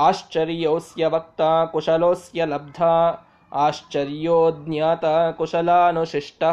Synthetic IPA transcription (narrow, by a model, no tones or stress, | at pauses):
aːʃt͡ʃɐɾjoːsjɐʋɐk̚t̪ɐkuʂɐloːsjɐlɐb̚d̪ʱaː | aːʃt͡ʃɐɾjoːd̪njaːt̪ɐkuʂɐlaːnuʃɪʂʈɐ